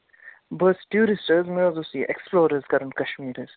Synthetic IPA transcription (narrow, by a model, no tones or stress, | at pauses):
bəsʈjuːɾɪsʈəzmeozosiːʔḛksploːɾəzkɐɾə̃ɳʈkɐʃmiːɾəz̥